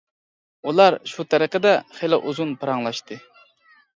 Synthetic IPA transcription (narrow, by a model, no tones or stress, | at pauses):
ulˠɑɾʃut̪ʰɛɾəqəd̪ɛχelɪʔuzunpʰɨɾɑŋlˠɑʃt̪ɨ